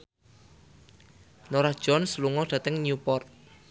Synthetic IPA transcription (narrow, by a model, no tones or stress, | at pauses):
noɾahd̥ʒ̥ɔnsluŋɔd̥ä̤t̪əŋɲupɔrt̪̚